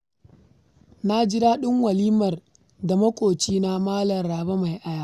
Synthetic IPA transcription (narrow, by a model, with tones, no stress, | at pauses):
na˦d͡ʒɪ˦ɾaː˦ɗɪ˦ŋwɐ˨liː˦mɐ˨r | da˨mɐ˦kʷʼoː˨t͡ʃiː˦na˦maː˦lɐ˨nɾaː˨ba˦ma˨jʔa˦jaː˦ʔ